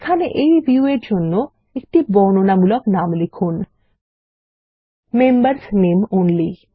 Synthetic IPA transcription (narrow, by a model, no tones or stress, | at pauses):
ekʰaneʔejbʱiueɾd͡ʑonːo | ekʈibɔnonamulɔknamlekʰun | membəɾsnemonli